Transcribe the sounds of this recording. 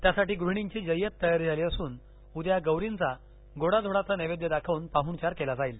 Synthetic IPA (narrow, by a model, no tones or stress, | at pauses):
t̪jasaʈiːɡɾuɳ̃iŋt͡ɕiːd͡ʑəjət̪ːəjaɾd͡zʱaliːəsuːn | ud̪jaɡəwɾint͡sa | ɡoɽad͡z̪ʱoɽat͡saneʋed̪jəd̪akʰaʋnpaɦuɳt͡ɕaɾkelad͡zaiːl